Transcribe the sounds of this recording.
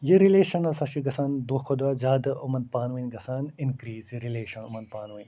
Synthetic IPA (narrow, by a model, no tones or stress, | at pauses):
jiɾileːʃɐnɐsɐʃiɡɐsaːnd̪oːkʰod̪ɐd͡ʒaːd̪ɐumɐnd̪̚paːnʋinɡɐsaːninkɾiːzjiɾileːʃɐnumɐnd̪̚paːnʋinʲ